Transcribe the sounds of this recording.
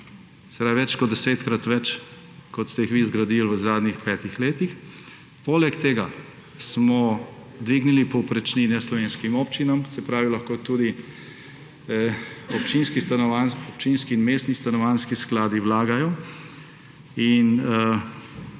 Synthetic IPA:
sɛ̥pɾaːʋiʋɛt͡ʃkɔd̪d̪ɛseːt̪kɾat̪ʋɛt͡ʃ | kɔt̪st̪ɛjixʋizɡɾad̪ilʋəzaːd̪nixpɛːt̪ixleːt̪ix | poːlɛkt̪eːɡa | smɔ | d̪ʋiɡnilipɔwpɾɛt͡ʃninɛslɔʋeːnskimɔːpt͡ʃinamsɛpɾaːʋilaxkoːt̪uːd̪i | ɔpt͡ʃiːnskist̪anɔʋanɔp̚t͡ʃiːnskiːnmeːst̪nist̪anɔʋaːnskisklaːd̪iwlaːɡajɔ | in

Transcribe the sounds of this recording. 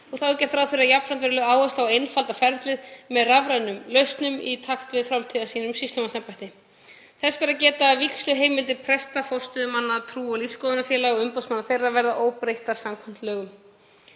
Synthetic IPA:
ɔɣθawcɛr̥t̪ɾawfɪɾɪɾajap̪fant̪vɛɾɪlœɣaːwɛst̪awejnfalt̪afɛɾt̪lɪðmɛðravɾajnʏmlœɥst̪nʏmḭt̪ʰaxt̪vɪðfɾamt̪ʰɪðasiːnʏmsist̪ɔmasɛmpajt̪ɪ | θɛspaɾacɛːt̪avikslʏɦeːjmːɪlt̪ɪɾpʰɾɛst̪afɔr̥st̪ʏðmanːat̪ʰɾuːɔlifskoːðʏnafjɛːlaɣɔʏmpowsmanːaɾθejrːavɛɾðaʔoːwpɾejht̪aɾ̥samkʰɔm̥t̪lœːɣʏm

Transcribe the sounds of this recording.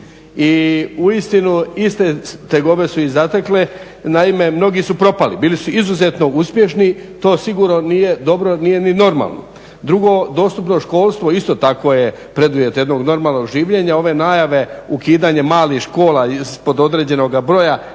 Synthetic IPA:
iuist̪inuist̪et̪eɡo̞ʋe̞suizat̪ekle | naime̞mno̞ɡisupɾo̞palibiːlisuizuze̞t̪no̞uspje̞ʃnit̪o̞ːsiɡuːɾnonije̞d̪o̞bɾo̞nije̞nino̞ɾma̰ːlˠno̰ | d̪ɾuɡo̞d̪o̞st̪upno̞ʃko̞ːlˠst̪ʋo̞ist̪o̞t̪ako̞je | pɾe̞d̪uʋje̞t̪jed̪no̞ɡno̞ɾmaːlno̞ɡʒiːʋʎe̞ɲao̞ʋe̞naːjaʋe̞ukiːd̪aɲemaːlixʃko̞ːlaispo̞d̪od̪ɾed͡ʑe̞no̞ɡabɾo̞ja

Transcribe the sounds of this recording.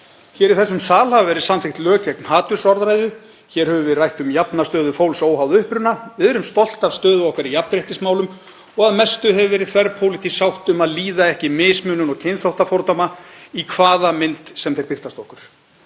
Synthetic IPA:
çɛːɾiðθɛsːʏmsaːlhavvɛɾɪðsanθɪxt̪lœːcɛk̚nhaːt̪ʏɾ̥sɔɾðɾajðʏ | çɛːɾ̥hɛvʏvɪðrajht̪ʏmjapnast̪œːðʏfowlsoːwɦawðʏhpɾʏnːavɪðɛɾʏmst̪ɔl̥t̪avst̪œːðʏɔhkaɾijapnɾeht̪ɪsmaːwlʏm | ɔɣaðmɛst̪ʏɦɛvʏvɛːɾɪðθʰvɛɾpʰowlɪt̪isawht̪ʏmaðliːðaɛhcɪmɪːsmʏnʏnɔɣcʰɪnθawht̪afɔɾt̪ɔmaikʰvaːðamɪnt̪sɛmθejɾpɪft̪ast̪ɔhkʏɾ̥

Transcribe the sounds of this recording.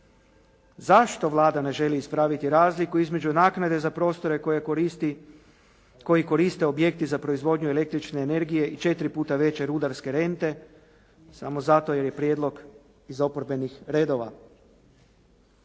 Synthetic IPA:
zaʃt̪o̞ʋlˠaːd̪ane̞ʒe̞liiːspɾaːʋit̪iɾaːzlikuizme̞d͡ʒunaːknad̪e̞zapɾo̞st̪o̞ɾe̞kje | ko̞jiko̞ɾist̪e̞o̞bje̞k̚t̪izapɾo̞izʋo̞d̪ɲue̞le̞k̚t̪ɾit͡ʃne̞ːne̞ɾɡije̞ʔit͡ʃe̞t̪ɾipuːt̪aʋe̞t͡ɕe̞ɾud̪aɾske̞ɾe̞nt̪e̞ | sa̰mo̞zat̪o̞je̞ɾje̞pɾjed̪lˠo̞ɡ | izo̞poɾbe̞nixɾe̞ːd̪o̞ʋa̰

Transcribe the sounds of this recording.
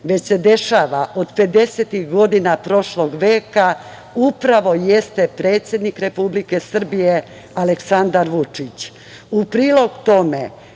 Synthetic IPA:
ʋe̞t͡ɕse̞d̪eʃaːʋaʔo̞d̪pe̞d̪e̞set̪ixɡo̞d̪inapɾo̞ʃlo̞ɡʋe̞ːka | upɾaʋo̞jest̪e̞pɾe̞ːt̪sje̞d̪nikɾe̞publike̞sr̩bije | aleksand̪aɾʋut͡ʂit͡ɕ | upɾiːlo̞ɡt̪o̞me

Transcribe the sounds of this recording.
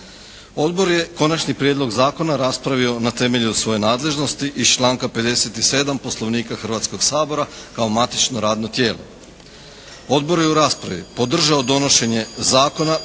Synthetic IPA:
o̞d̪bo̞ɾje̞ko̞nat͡ʃnipɾjed̪lˠo̞ɡzaːko̞naɾaspɾaʋio̞nat̪e̞me̞ʎusʋo̞je̞naːd̪le̞ʒno̞st̪iʔit͡ʃlˠaːŋkape̞d̪e̞set̪ise̞ːd̪ampo̞slˠo̞ʋniːkaxr̩ʋat̪sko̞ɡ̥saːbo̞ɾakaomat̪i̥t͡ʃnoɾaːd̪no̞t̪je̞ːlˠo̞̰ | o̞d̪bo̞ɾje̞uɾaːspɾaʋḭpo̞d̪r̩ʒaod̪o̞no̞ʃe̞ɲe̞zaːko̞na

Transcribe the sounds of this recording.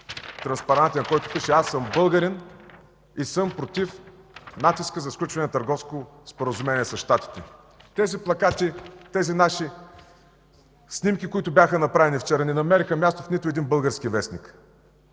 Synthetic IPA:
t̪ɾɐnspɐɾant̪ʲinɐkɔjt̪ʊpiʃɛasːɤmbɤlˠɡəɾɛn | isɤmpɾot̪if | nat̪iskəzɐfsklʲut͡ʃvɐnɛnɐt̪ɐɾɡɔfskospoɾəzumɛniɛsɐsʃt̪at̪i̥t̪ɛ | t̪ɛziplˠɐkat̪it̪ɛzinaʃi | snimkʲikoit̪ʊbʲjaxənɐpɾavɛnift͡ʃɛɾənɛnɐmɛɾixəmʲjast̪ʊfnit̪ʊɛd̪inbɤlˠɡəɾskivɛsnik

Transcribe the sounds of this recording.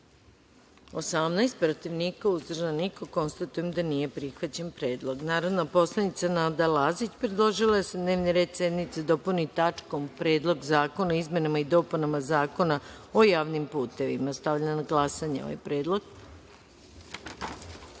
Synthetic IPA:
o̞samnajst̪̚pɾot̪iʋniːkauzd̪r̩ʒaniko̞ko̞nst̪at̪ujemd̪anije̞pɾixʋat͡ɕe̞npɾe̞ːd̪lˠo̞ɡnaːɾod̪napo̞slˠanit̪sanaːd̪alaːzit͡ɕpɾed̪lˠo̞ʒilased̪ne̞ːʋniɾe̞ːd̪sjed̪mit̪sed̪o̞punit̪at͡ʃko̞mpɾe̞ːd̪lˠo̞ɡzaːko̞naizmʲje̞namaid̪o̞punamazaːko̞nao̞jaːʋnimpuːt̪e̞ʋḭmast̪aʋʎanaɡlˠasaɲeo̰ʋa̰jpɾeːd̪lˠo̞ɡ

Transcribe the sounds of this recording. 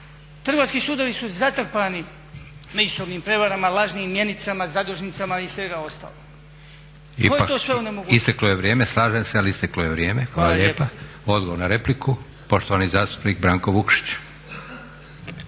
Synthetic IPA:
t̪r̩ɡoaskisuːd̪oʋisuzat̪r̩pani | med͡ʒusoʋniːmpɾe̞ʋaɾamalˠaʒniːmmːje̞nit̪samazad̪uʒnit̪samaisʋe̞ɡao̞st̪a̰ːloɡ | ḭkoeat̪oːsʋeunemoɡist̪aklojeʋɾjeːmeslˠaːʒemsealiist̪eklojeʋɾje̞ːmexʋaːlaʎjepa | o̞d̪ɡoʋoɾnaɾe̞pliku | po̞ʃt̪oʋanizaːst̪u̥pnik̚bɾaːŋkoʋukʃi̥t͡ɕ

